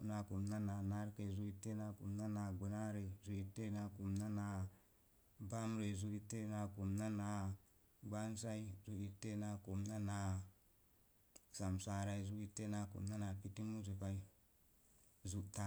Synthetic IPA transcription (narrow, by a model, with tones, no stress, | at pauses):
na˨ku˨mna˦na˨na˦ɾke˨zu˦i˦tːe˦na˨ku˨mna˦na˨ɡu˨na˦ɾe˨zu˨i˦tːe˦na˨ku˨mna˦na˨ | ba˦mɾe˨zu˨i˦tːe˦na˨ku˨mna˦na˨ | ɡ͡ba˦nsa˦i˦zu˨i˨tːe˦na˨ku˨mna˦na˨ | sa˨msa˨ɾa˦i˦zu˦i˦tːe˦na˨kṵ˨mna˦na˨pi˦ti˦mu˦zi˨pa˦i˦ | zu˨ta˦